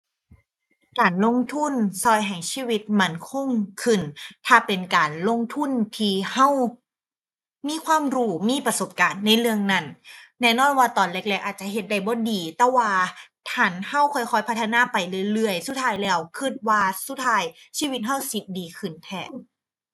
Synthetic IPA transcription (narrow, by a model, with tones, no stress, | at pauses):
kaː˨˩nlo˧˥˨ŋt̪ʰu˧˥˨nsɔː˧˩jɦɛ˨˩ŋsʰiː˧˩˨wi˧˦˥t̪̚ma˧˥˨nkʰo˧˥˨ŋkʰɯ˧˩nt̪ʰaː˧˩pe˨nkaː˨nlo˧˥˩ŋt̪ʰu˧˥˨nt̪ʰiː˧ha˥˩w | miː˧˥˨kʰwaː˧˥˨mɾuː˧˩miː˧˥˨pɾa˧so˨˩p̚kaː˨nːa˧˩jlɯ˧əŋna˧˩nnɛː˧˥˨nɔː˧˥˨nwaː˧˩t̪ɔː˨nle˧˥k̚lɛː˧k̚ʔaː˨˩t̪̚t͡ɕa˧˨ɦe˧˦t̪̚da˧˩jbɔː˧˥˦diː˨˩t̪ɛː˧˩waː˧t̪ʰa˧˩nha˧˥˩wkʰɔː˧˩jkʰɔː˧˩jpʰa˦˥t̪ʰːa˧naː˧˥˨pa˨jlɯ˧˥˩jlɯ˧˩əjsu˧˥˩t̪ʰːaː˧jlɛː˧˥˩wkʰɯ˧˩t̪̚waː˧˩su˧˥t̪ʰaː˧jsiː˧˥˨wi˧˦t̪̚ɦa˧˥˩wsi˨˦t̪̚diː˨˩kʰɯ˧˩nt̪ʰɛː˧˩